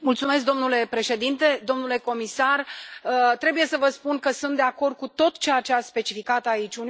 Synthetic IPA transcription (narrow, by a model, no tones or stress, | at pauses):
mult̪sume̞s̬k̚d̪o̞mnule̞pɾe̞ʃe̞d̪int̪e̞d̪o̞mnule̞ko̞misarət̪ɾe̞buje̞səvəspunkəsunt̪d̪eako̞rd̪̚kut̪o̞t̪t͡ʃeat͡ʃeaspe̞t͡ʃifikat̪ait͡ʃʲun